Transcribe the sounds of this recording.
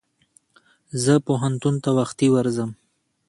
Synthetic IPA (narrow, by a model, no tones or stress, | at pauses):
zəpoɦant̪unt̪awaxt̪iwaɾzəm